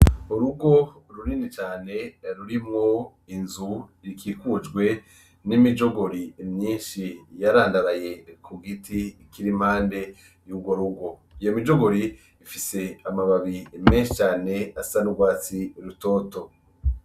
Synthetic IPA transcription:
uɾuɡo̞ | ɾuɾinit͡ʃaːne̞ɾuɾimŋo | inzuɾikiːkud͡ʒɡwe̞ | nimid͡ʒo̞ɡo̞ɾimɲiːnʃijaɾaːndaɾaje̞kʰuɡitikiɾim̥haːnde̞ | juːɡwo̞ɾuɡo̞ijo̞mid͡ʒo̞ɡo̞ɾi | ifise̞amaβaβimeːnʃit͡ʃaːne̞asanuɡwaːt͡siɾuto̞ːto̞

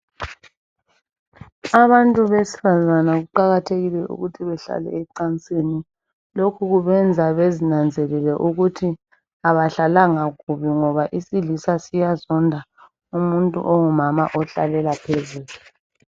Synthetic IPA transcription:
aβantʼuβesi̥fazanaɣuǃaɣatʰeɣilɛʔṵɣutʰiβɛɬa̰lɛ̰ɛǀant͡sʼeni | lokʰuɣuβɛnd͡zʱaβezinand͡zʱɛlɛlɛʔuɣutʰi | aβaɬalaŋaɣuβiŋɔβaʔisilisasijazɔndʱa | umuntʼṵʔoŋumamaʔɔɬa̰lɛlapʰezuːlu

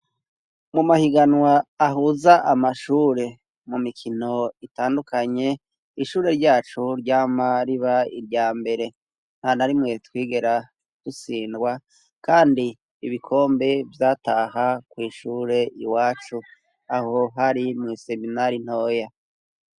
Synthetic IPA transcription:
mumahiɡanwaːɦuzaʔamaʃuːɾe̞ | mumikʰino̞itaːndukʰaɲe̞ | iʃuːɾe̞ɾɟaːt͡ʃuɾɟaːmaɾiβaḭɾɟaːmbe̞ɾe̞ | n̥hanaɾimŋe̞twiːɡe̞ɾa | tusiːndɡwa | kaːndiː | βikʰo̞ːmbe̞vjaːtaɦakwiːʃuːɾe̞ʔiwaːt͡ʃu | aho̞ɦaɾimŋiːse̞minaɾin̥ho̞ːja

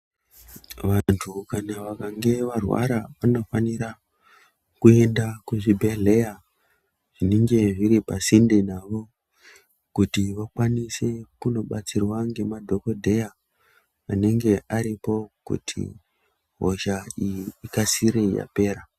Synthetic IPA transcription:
ʋantʰukanaʋakaŋɡe̞ʋarwa̰ɾaʋano̞faniɾa | kue̞ndakuʐibʱe̞ɮe̞ja | ʐ̥ineŋɡe̞ʐiɾipasindenaʋo̞ | kutiʋakwanise̞kuno̞ɓat͡sirwaŋɡe̞madʱo̞ko̞dʱe̞ja | aneŋɡe̞ʔaɾipo̞kṵtʰḭ | ɦo̞̰ʒaijːkasiɾe̞ja̰pe̞ːɾa

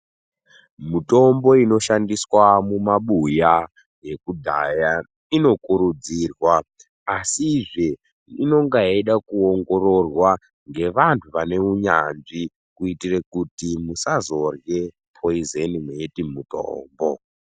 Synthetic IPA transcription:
muto̞mbo̞ino̞ʃandiswamumaɓuja | je̞kudʱaja | ino̞kuɾud͡ziːrwaː | siʐe | ino̞ŋɡaeɗakuoŋɡo̞ro̞rwa | ŋɡe̞ʋantʰuʋane̞uɲa̰nʐi | kuitire̞kutimusazo̞rje | pʰoizenimweetimuto̰ːmbo

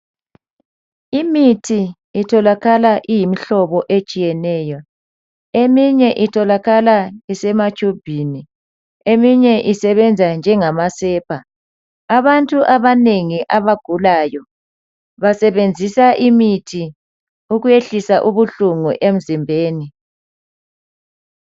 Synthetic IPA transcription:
imitʰiː | tʰɔlaɣalaʔijimiɬɔβɔʔet͡ʃʼijɛnɛːjɔ | emiɲɛʔitʰɔlaɣalaisɛmat͡ʃʰʼub̥ʱiːni | emiɲɛʔisɛβɛnd͡zʱand͡ʒʱɛŋamasɛːpʰa | aβantʼuʔaβaneŋiʔaβaɡ̥ʱulaːjɔ | βasɛβend͡zʱisaʔimitʰi | uɣujeɬisaʔuβuɬuŋṵʔem̩zimbʱeːni

